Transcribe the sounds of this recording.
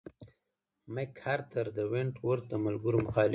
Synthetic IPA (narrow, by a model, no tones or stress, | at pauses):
mekhaɾt̪ʰəɾd̪əweɳʈwəɾt̪̚d̪əmalɡʊɾomʊxɑlɪ